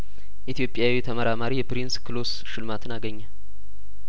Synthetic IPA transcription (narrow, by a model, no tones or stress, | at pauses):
ʔit̪ʰijo̞pʼːjawit̪ʰəməɾamaɾijɛpɾinskɨlos | ʃɨlmat̪ʰɨnaɡəɲːal